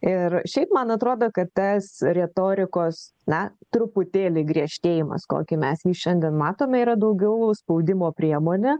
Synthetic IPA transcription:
ɪrʃʲɛɪpmɐnɐt̪ɾoːd̪oːkɐt̪t̪ɐsɾʲɛt̪oːɾʲɪkoːs | nɐt̪ɾʊpʊt̪ʲeːlʲɪɡɾʲiɛʃʲt̪ʲeːjɪmɐ̰sko̰ːkʲɪmʲɛsjiːʃʲɛnʲd̪ʲiɛnmɑːt̪oːmʲɛiːɾɐd̪ɐʊɡʲɛʊspɐʊd̪ʲɪmoːpʲɾʲiɛmoːnʲɛ

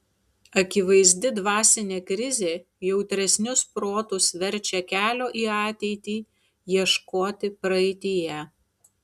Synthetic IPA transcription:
ɐkʲɪʋɐɪzʲd̪ʲɪd̪ʋɑːsʲɪnʲeːkɾʲɪzʲeː | jɛʊt̪ʲɾʲɛsʲnʲʊspɾoːt̪ʊsʋʲɛɾʲˑt͡ʃʲɛkʲæːlʲoːʔiːɑːt̪ʲɛɪt̪ʲiː | jiɛʃkoːt̪ʲɪpɾɐɛɪt̪ʲɪjɛ

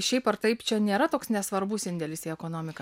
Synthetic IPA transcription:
ʃʲɛɪpɐɾt̪ɐɪpt͡ʃʲɛnʲeːɾɐt̪oːksnʲɛsʋɐɾbʊsɪnʲd̪ʲɛlʲɪsiɛkoːnoːmʲɪkɐ

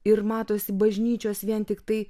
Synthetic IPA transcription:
ɪɾmɑːt̪oːsʲɪbɐʒʲnʲiːt͡ʃʲoːsʋʲiɛnt̪ʲɪkt̪ɐɪ

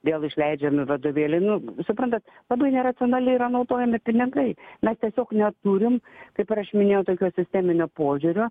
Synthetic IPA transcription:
d̪ʲeːlˠɪʃʲlʲɛɪd͡ʒʲɛmʲɪʋɐd̪ʊʋʲeːlʲɛɪnʊsʊpɾɐnt̪ɐt̪lˠɐbɐɪnʲɛɾɐt͡s̪ʲɪonɑːlʲɪɾɐnɐʊt̪oːjɛmʲɪpʲɪnʲɪŋkɐɪmʲɛst̪ʲiɛsʲoːknʲɛt̪uɾʲɪmkɐɪpɪɾɐʃmʲɪnʲeːjɛʊt̪oːkʲoːsʲɪsʲt̪ʲæːmʲɪnʲoːpoːʒʲʊɾʲo

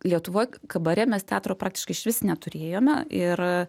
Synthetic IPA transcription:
lʲiɛt̪ʊʋoːjkɐbɐɾʲɛmʲɛst̪ʲæːt̪ɾoːpɾɑːk̚t̪ʲɪ̥ʃkɐɪʃʲʋʲɪsʲnʲɛt̪ʊɾʲeːjoːmʲɛɪr

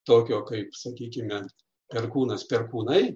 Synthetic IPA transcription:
t̪oːkʲoːkɐɪpsɐkʲiːkʲɪmʲɛ | pʲɛrkuːnɐspʲɛrkuːnɐɪ

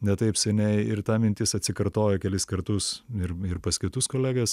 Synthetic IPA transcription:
nʲɛt̪ɐɪpsʲɛnʲɛɪɪɾt̪ɑːmʲɪnʲt̪ʲɪsɐt̪ʲsʲɪkɐɾt̪oːjɛkʲɛlʲɪskɐɾt̪ʊsɪɾɪɾpɐskʲɪt̪ʊskoːlʲæːɡɐs

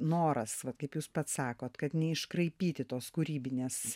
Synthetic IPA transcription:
noːɾɐsʋɐt̪kɐɪpjuːspɐt̪sɑːkoːt̪kɐt̪nʲɛɪʃkɾɐɪpʲiːt̪ʲɪt̪oːskuːɾʲiːbʲɪnʲeːs

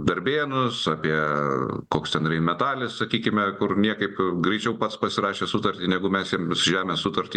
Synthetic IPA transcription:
d̪ɐɾʲbʲeːnʊsɑːpʲiɛkoːkst̪ʲɛnrʲɛɪmʲɛt̪ɑːlʲɪssɐkʲiːkʲɪmʲɛkʊrnʲiɛkɐɪpɡɾʲɛɪt͡ʃʲɛʊpɐt̪spɐsʲɪɾɑːʃʲeːsʊt̪ɐɾʲt̪ʲinʲɛɡʊmʲɛsjiɛmsʊʒʲæːmʲeːssʊt̪ɐɾʲt̪ʲiː

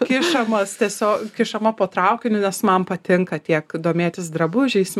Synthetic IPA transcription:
kʲɪʃɐmɐst̪ʲiɛsʲoːkkʲɪʃɐmɐpoːt̪ɾɐʊkʲɪnʲʊnʲɛsmɐnpɐt̪ʲɪŋkɐt̪ʲiɛkd̪oːmʲeːt̪ʲɪsd̪ɾɐbʊʒʲɛɪs

